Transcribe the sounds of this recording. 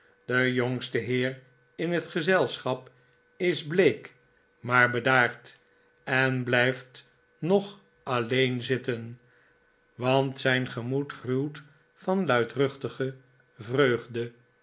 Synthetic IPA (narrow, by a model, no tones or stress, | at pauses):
d̥əjoŋstəɦɪːr | ɪnɦətχəzɛlˠsχɑp | ɪzblejk | maːɹbədaːɹt | ɛnblɛjft | nɔχ | ɑlejnzɪtən | ʋɑntsɛjnχəmutrywˠt | fɑnlœɥtrɵχtəχə | vrøɥχdə